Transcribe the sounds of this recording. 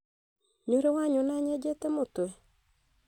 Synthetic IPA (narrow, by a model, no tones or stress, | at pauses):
ɲoɾewaɲonaɲɛd͡ʒetemotoe